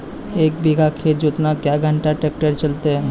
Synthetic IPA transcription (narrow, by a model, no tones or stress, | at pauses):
ek̚biɡʱakʰːed͡ʑot̪nakaɡʱəɳʈaʈɾek̚ʈaɾt͡ɕolt̪e